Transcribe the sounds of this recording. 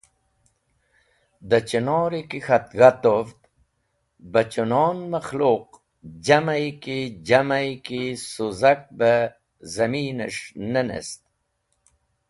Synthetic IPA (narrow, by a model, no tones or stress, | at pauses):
d̪ət͡ɕənoːɾikixat̪̚ɣat̪ovt̪ | bət͡ɕunonmaxloːq̚ | d͡ʑamajkid͡ʑamajkisuzak̚bə | zɐmiːneʂnənḛst̪̚